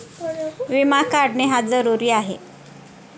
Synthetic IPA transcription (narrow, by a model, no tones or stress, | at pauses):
ʋimakaɽneɦad͡zəɾuɾiːaɦḛ